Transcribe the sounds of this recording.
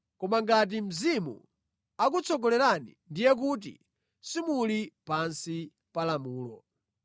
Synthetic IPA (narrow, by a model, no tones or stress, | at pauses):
kɔmaŋɡat̬im̩zimṵ | ak̬ut͡sʰɔɡɔlɛɾanḭndijɛk̬ut̬ḭ | simulipansi | palamuːlɔ